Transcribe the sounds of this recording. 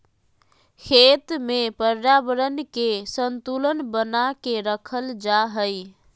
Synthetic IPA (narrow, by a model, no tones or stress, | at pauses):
kʰet̪mepəɾːabəɾənkesənt̪ulənbənakeɾəkʰəld͡ʒaɦəj